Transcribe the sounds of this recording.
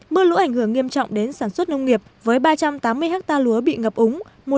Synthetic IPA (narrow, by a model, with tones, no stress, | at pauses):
mɨ˧əlṵ˧˥ʔa˧˩ŋ̟hɨ˧˩əŋːi˧əmt͡ɕɔ̰˧˨wŋ͡mɗe˨˦nsaː˧˩nswə˦˥t̚nə˧wŋ͡mŋi˨˩əp̚vəː˨˦jɓaː˧t͡ɕa˧mt̪aː˨˦mːɨ˧əjha˦˥k̚t̪aː˧lu˨˦əɓḭ˧˨ŋə˨˩p̚ʔʊ˨˦ŋ͡m | mo˨˩